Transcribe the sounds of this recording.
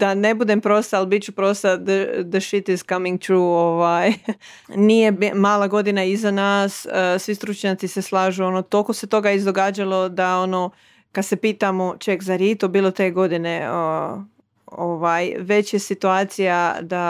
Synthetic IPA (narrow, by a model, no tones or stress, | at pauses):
d̪̥ane̞bud̪empɾo̞st̪aːlˠbit͡ɕupɾo̞st̪ad̪əd̪əʃit̪izkamiŋɡ̚t̪ɾuːoʋaj | nije̞maːlˠaɡo̞d̪inaizanaːssʋist̪ɾut͡ʃɲat̪sise̞slˠaːʒuo̞not̪o̞lko̞se̞t̪o̞ɡaizd̪o̞ɡaːd͡ʒalˠo̞d̪ao̞no | kad̪se̞piːt̪amo̞t͡ʃekzaɾjet̪obiːlˠo̞t̪e̞ɡo̞d̪ine̞ | oʋaːjʋe̞t͡ɕje̞sit̪uaːt̪sijad̪a